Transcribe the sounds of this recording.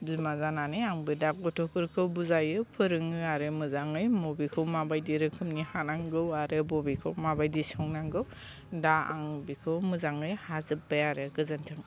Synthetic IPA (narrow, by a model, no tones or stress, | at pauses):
bzimazananiaŋbɯdak̚ɡɔtʰɔkʰɯɾkʰɯwbuzajɯpʰɯɾɯŋɯaɾɯmɯzaŋɯjmobikʰɯwmabajdiɾɯkʰɯmnihanaŋɡɯwaɾɯbɔbikʰɯwmabajdisɔŋnaŋɡɯw | daa̰ŋbikʰɯwmɯzaŋɯjhazɯp̚bajaɾɯɡɯzɯntʰɯŋ